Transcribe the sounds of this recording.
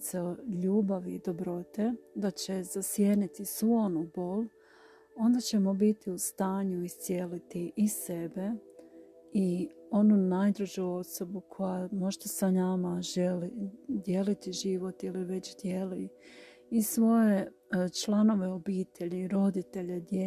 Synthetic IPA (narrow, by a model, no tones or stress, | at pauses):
seʎuːbaʋid̪o̞bɾo̞t̪e̞d̪at͡ɕe̞z̥asjenit̪isʋuonubo̞l | o̞nd̪at͡ɕe̞mo̞bit̪iust̪aːɲuist̪sjelit̪iʔise̞be̞ | io̞nunajd̪ɾuʒoo̞so̞bukʰo̞jamo̞ʒt̪asanamaʒelid̪je̞lit̪iʒiʋo̞t̪iliʋe̞t͡ɕd̪je̞li | isʋo̞je̞ | t͡ʃlˠano̞ʋe̞o̞biːt̪ʰe̞ʎiiɾo̞d̪it̪e̞ʎed̪je